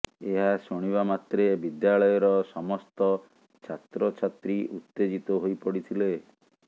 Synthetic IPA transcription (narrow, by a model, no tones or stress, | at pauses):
eɦasoɽ̃iβamat̪ɾebid̪jaɭɔjɔɾɔsɔmɔst̪ɔ | t͡ʃʰat̪ɾɔt͡ʃʰat̪ɾiʔut̪ːed͡ʒit̪ɔɦojpɔɽit̪ʰile